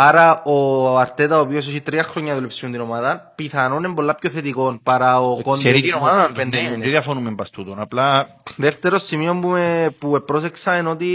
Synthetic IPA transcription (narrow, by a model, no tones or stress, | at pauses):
aɾaoaɾt̪et̪aopios̬osit̪ɾiaxɾoɲːɐðulepsiund̪inomaðɐnpiθɐnone̞mbo̞lːapçoθet̪iko̞npaɾaokonɾinomaðend̪eoðafonumempɐst̪ut̪onapla | ðeft̪eɾosːimiompumepuepːɾos̬eksɐenot̪i